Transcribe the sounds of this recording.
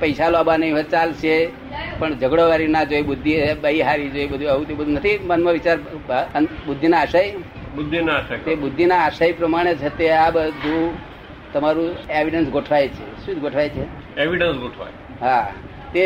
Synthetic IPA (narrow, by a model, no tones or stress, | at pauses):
pəjsaloabanəɦĩɦət͡ʃalʃe | pəɳd͡ʒəɡɽoʋaɾinad͡ʒojbʊd̪ʱːiebəiɦaɾid͡ʒojbəd̪ʱuaɦũt̪ibəd̪ʱunət̪ʰimənmãʋit͡ʃaɾnbʊd̪ʱːinaːʃaj | bʊd̪ʱːinaʃajt̪ebʊd̪ʱːinaːʃajpɾəmaɽ̃et͡ʃʰet̪eabəd̪ʱu | t̪əmaɾũeʋiɖənsɡoʈʰʋajt͡ʃʰeʃũd͡ʒ̪ɡoʈʰʋajt͡ʃʰe | eʋiɖənsɡoʈʰʋa̰j | ɦa | t̪e